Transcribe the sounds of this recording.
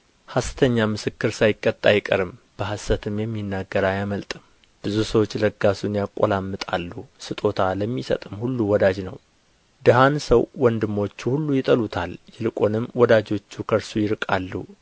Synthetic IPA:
hast̪ʰəɲːamɨsɨkːɨɾsajɪkʼːət̪ʼːajɪkʼə̰ɾɨmb̥əhasːət̪ʰɨmjɛmːinːaɡːəɾajaməlt̪ʼɨm | b̥ɨzusəwo̞t͡ʃːləɡasunjakʼːo̰lamːɨt̪ʼa̰lːusɨt̪ʼo̞t̪ʰaləmːisə̰t̪ʼɨmhulːuwɔd̪ad͡ʒnəw | d̪ɨɦansəwwɔnd̪ɨmːo̞t͡ʃːuhulːujɪt̪ʼəlut̪ʰaljɪlɨkʼonɨmwɔd̪ad͡ʒo̞t͡ʃːukʰəɾsujɪɾɨkʼalːu

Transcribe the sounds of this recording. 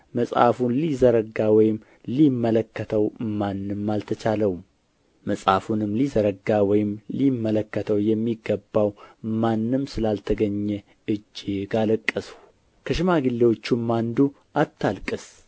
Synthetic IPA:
məsʼa̰funlizəɾəɡawɔjɪm | limːələkːət̪ʰəwmanːɨmːalt̪ʰət͡ʃʰaləwum | məsʼa̰funɨmlizəɾəɡawɔjɪmlimːələkːət̪ʰəwjɛmːiɡːəbːawmanːɨmsɨlalt̪ʰəɡəɲːɛ | ɨd͡ʒːɪɡaləkʼːəsu̥ | kʰəʃɪmaɡɨlːewo̞t͡ʃːumːand̪u | ʔat̪ʰːalkʼɨs

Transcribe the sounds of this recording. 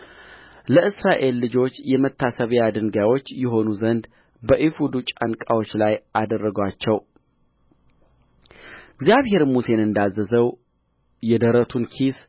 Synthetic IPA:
ləʔɨsɾaʔe̞lːɨd͡ʒo̞t͡ʃːjɛmət̪ʰːasəβjad̪ɨŋɡawo̞t͡ʃːjɛɦo̞nuzənd̪ | bəʔifud̪ut͡ʃʼankʼawo̞t͡ʃːlajʔad̪ərːəɡwat͡ʃːɛw | ɪɡzjaβhe̞ɾmuse̞nɨnd̪azːəzəw | jɛd̪əɾət̪ʰunkʰis

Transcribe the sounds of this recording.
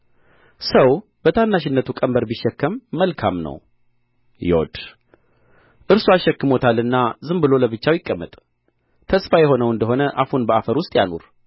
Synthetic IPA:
səwb̥ət̪ʰanːaʃɪnːət̪ʰukʼəmbəɾbiʃːɛkːəmːəlkʰamnə̰w | jɛ̰wɔ̰d̪ | ʔɨɾsuaʃːɛkːɨmot̪ʰalːɨnːazɨmbɨlo̞ləβɨt͡ʃːawjɪkʼːəmːə̰t̪ʼ | t̪ʰəsfajɛɦo̞nəwɨnd̪əɦo̞nəʔafunbəafəɾwʊst̪ʼja̰nṵɾ

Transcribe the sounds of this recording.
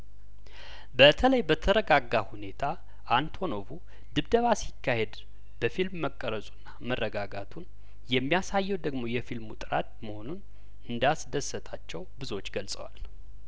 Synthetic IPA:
bət̪ʰələjbət̪ʰəɾəɡaɡahune̞t̪ʰa | ʔːnt̪ʰo̞no̞vu | d̪ɨβd̪əβasikːahe̞d̪ | b̥əfilmːəkʼːəɾəsʼunːamərːəɡaɡat̪ʰun | jɛmːijasajːɛwd̪əɡmo̞jɛfilmut̪ʼɨɾa̰t̪̚məho̞nun | ɨnd̪asd̪əsːət̪ʰat͡ʃːɛwbɨzot͡ʃːɡəlsʼəwa̰l

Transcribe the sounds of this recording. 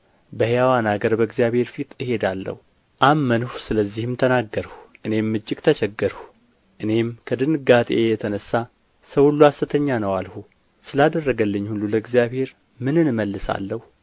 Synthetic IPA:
bəhejawanaɡəɾbəɨɡzijaβhe̞ɾfit̪ʼɨhe̞d̪alːə̰hu | ʔamːənhusɨləzːihɨmt̪ʰənaɡːəɾhuʔɨne̞mːɨd͡ʒːɪkʼt̪ʰət͡ʃɛɡːəɾhu | ʔɨne̞mkʰəd̪ɨnɡat̪ʼejɛt̪ʰənəsːa | səwhulːuasɨt̪ʰəɲːanəwalhu | sɨlad̪ərːəɡəlːɨɲːhulːuləɨɡzjaβhe̞ɾ | mɨnɨnməlːɨsa̰lːəhu

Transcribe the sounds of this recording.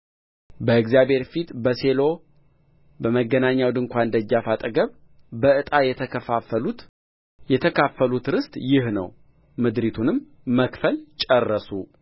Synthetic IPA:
bəɨɡzijaβhe̞ɾfit̪bəse̞lo̞ | bəməɡːənaɲːawd̪ɨŋkʷand̪əd͡ʒːafat̪ʼəɡəβ | bəɨt̪ʼajɛau | jɛt̪ʰəkʰafːəlut̪ɾɨst̪ʼjɪhnə̰w | mɨd̪ɾit̪ʰunɨmː | əkfəlt͡ʃʼərːəsu

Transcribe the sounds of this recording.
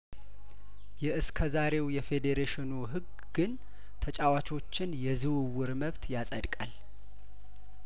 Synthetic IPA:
jɛʔɨskʰəzaɾe̞wjɛfe̞d̪eɾeʃɪnuɦɨɡːɨn | t̪ʰət͡ʃʼawat͡ʃʰo̞t͡ʃːɪnjɛzɨwɨwʊɾməβt̪jasʼəd̪kʼal

